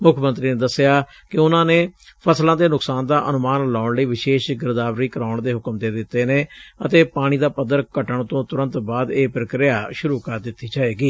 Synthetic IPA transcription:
mʊkʰmə̃nt̪ɾiːneːd̪əsɪjaː | kɪʊnãːneːpʰəslãːd̪eːnʊksaːnd̪aːʔənʊmaːnlaːʊɳliːʋɪʃeːʃɡɪɾd̪aːʋɾiːkəɾaːʊɳd̪eːɦʊkəmd̪eːd̪ɪt̪ːeːneːət̪eːpaːɽ̃iːd̪aːpəd̪ːəɾkəʈəɳt̪õːt̪ʊɾə̃nt̪baːd̪eːpɾəkɾɪjaːʃʊɾuːkəɾd̪ɪt̪ːiːd͡ʒaːeːɡiː

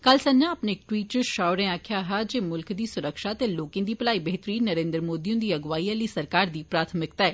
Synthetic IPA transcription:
kəlsənãːəpnẽːɪk̚ʈwiːʈ̚t͡ʃəʃaːʊɾẽːaːkʰjaːɦad͡ʒeːmʊlkd̪iːsʊɾəkʃaːt̪eːloːkẽːd̪iːpəlaːiːbeɦt̪ɾiːnəɾẽːnd̪ɾəmoːd̪iːõnd̪iːəɡʋaːiːaliːsəɾkaːɾd̪iːpɾaːt̪ʰəmɪkt̪aːɛː

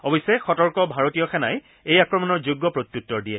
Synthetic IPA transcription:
ɔbɔjsːɛxɔtɔɹkɔbʱaɹotijɔxɛnaj | ejakɹɔmɔnɔɹzuɡːɔpɹot̪ːutːɔɹdijɛ

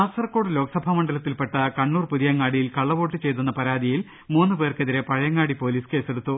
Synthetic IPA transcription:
aːsɐrɐkːo̞ːɽɨlo̞ːkɐsɐbʱamɐɳɖɐlɐt̪ːilpe̞ʈːɐkɐɳːuːrpuðijɐŋːaːɽijilkɐɭːɐʋo̞ːʈːɨt͡ɕe̞jt̪unːɐpɐɾaːd̪ʱijil | muːnːɨpe̞ːrkeðiɾe̞pɐɻɐjɐŋːaːɽipo̞ːliːske̞ːseɽut̪ːu

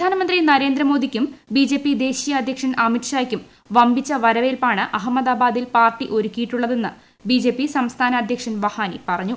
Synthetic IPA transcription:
pɐd̪ʱaːnɐmɐnd̪rinɐɾe̞ːnd̪ɾɐmo̞ːd̪ʱikʲːumbid͡ʑe̞pːid̪e̞ːɕijɐːd̪ʱjɐkʂɐnɐmiʈʂaːjkʲːum | ʋɐmbit͡ɕːɐʋɐɾɐʋe̞ːlpaːɳɨʔɐɦɐmːɐd̪aːbaːd̪ilpaːrʈːiʔo̞ɾukʲːijiʈːuɭːɐðe̞nːɨ | bid͡ʑe̞ːpːisɐmst̪ʰaːnɐːd̪ʱjɐkʂɐnʋɐhaːnḭpɐrɐɲːu

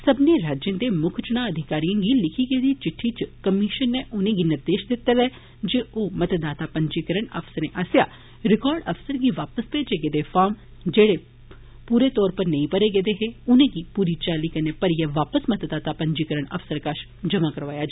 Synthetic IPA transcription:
səbneːɾaːd͡ʒẽnd̪eːmʊkʰt͡ʃñãːəd̪ʱɪkaːɾijãːɡiːlɪkʰiːɡeːd̪iːt͡ʃɪʈʰːiːt͡ʃkəmiʃənːeːʔʊnẽːɡiːnɪɾd̪eːʃd̪ɪt̪ːelɛː | d͡ʒeːoːmət̪d̪aːt̪aːpəɲd͡ʒiːkəɾəɳə̰fsəɾẽːʔaːsja̰ː | ɾɪkɔːɾɖəfsəɾɡiːʋaːpəspeːd͡ʒeːɡeːd̪eːfʰaːɾm | d͡ʒeːɽeː | puːɾeːt̪ɔːɾpəɾnə̃ĩpəɾeːɡeːd̪eɦeːʊnẽːɡiːpuːɾiːt͡ʃaːliːkəneːpəɾiːɛːʋaːpəsmət̪d̪aːt̪aːpəɲd͡ʒiːkəɾəɳə̰fsəɾkaʃ | d͡ʒəmaːkəɾʋaːjaːd͡ʒ

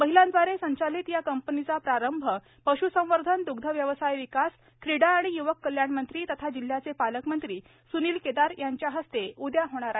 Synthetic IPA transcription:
məɦilãnd̪ʋaɾesəɲt͡ɕalit̪jakəmpənit͡sapɾaɾəmbʱə | pəɕusə̃w̃ʋəɾd̪ʱənd̪uɡd̪ʱəʋjəʋəsajʋikas | kʰɾiɽaːɽ̃ijuʋəkːəljaɳmənt̪ɾiːt̪ət̪ʰad͡ʑil̤jat͡sepaləkmənt̪ɾiː | suniːlked̪aɾjaɲt͡ɕjaɦəst̪eud̪jaɦoɽ̃aɾa

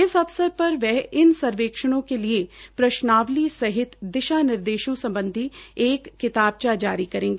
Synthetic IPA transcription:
ɪsɐʋsəɾpɐɾʋɛɦɪnsɐɾʋeːkʃəɽ̃õkeliepɾɐʃnaːʋlisɐɦɪt̪d̪ɪʃaːnɪɾd̪eːʃõsɐ̃mbə̃nd̪ʱieːkːɪt̪aːb̚t͡ʃad͡ʒaːɾikɐɾẽːŋɡeː

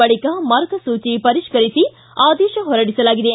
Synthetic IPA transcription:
ɐɭikɐmɐɾɡɐsuːt͡ʃipɐɾiʃkɐɾisi | aːd̪ɛːʃɐɦɔɾɐɽisɐlaːɡid̪e

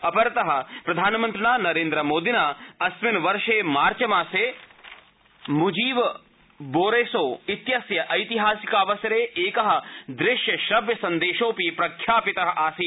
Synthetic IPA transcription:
ɐpɐɾt̪ɐɦɐ̆pɾɐd̪ʱaːnmɐ̃nt̪ɾɪnaːnɐɾẽːnd̪ɾɐmoːd̪inaːɐsmɪnʋɐɾʃeːmaːɾt͡ʃɐmaːseː | mud͡ʒiːʋ | boːɾeːsoːɪt̪jɐsjɐʔɐjt̪iɦaːsikaːʋɐsjɐɾeːʔeːkɐɦɐ̆d̪ɾɪʃjɐʃɾɐbjɐsɐ̃nd̪eːʃoːpipɾɐkʰjaːpɪt̪ɐɦɐ̆ʔaːsiː

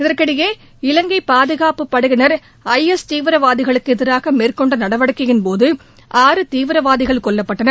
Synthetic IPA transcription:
ɪðɐɾkɐɽɪjeː | ɪlɐŋɡɐɪpaːðɯɣaːpɯpːɐɽɯɣɪnɐɾ | ɐɪɛst̪iːʋɪɾɐʋaːðɪɣɐɭɯkːɯɛðɯɾaːɣɐmeːrkɔɳɖɐnɐɽɐʋɐɽɯkːɪɣɪnpoːðɯ | ʔaːɾɯt̪iːʋɪɾɐʋaːðɪɣɐɭkɔɭːɐpːɐʈːɐnɐ

